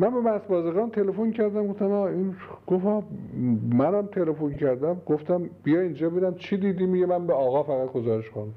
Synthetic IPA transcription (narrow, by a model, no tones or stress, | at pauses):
mænbemæsbɒːzeɣɑːnt̪ʰelefoncʰæɾd̪æmɡoft̪æmɑːinɡ̥ofɒː | mænæmt̪ʰelefoncʰæɾd̪æmɡ̥oft̪æmb̥ijɒːind͡ʒɒːbed̪æmt͡ʃʰid̪iːd̪iːmiɡemænbeɒːɣɒːfæɣæt̪̚ɡozɒːɾeʃkon